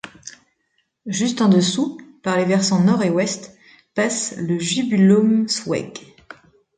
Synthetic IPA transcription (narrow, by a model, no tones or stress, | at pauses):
ʒyst̪ɑ̃d̪əsupaʁlevɛʁsɑ̃nɔʁewɛst̪ | pasləʒybylɔmswɛ̰ɡ